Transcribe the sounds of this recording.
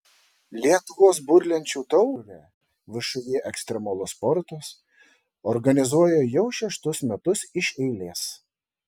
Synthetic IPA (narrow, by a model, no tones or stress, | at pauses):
lʲiɛt̪ʊʋoːs̬bʊɾʲlʲɛnʲt͡ʃʲuːt̪ɔʊʋʲæː | ʋʲɪʃʊjʲiːʔɛksʲt̪ʲɾʲɛmolˠʊspɔɾt̪ɐs | ɔɾɡɐnʲɪzuɔjɛjɛʊʃʲɛʃt̪ʊsmʲɛt̪ʊsɪʃɛɪlʲeːs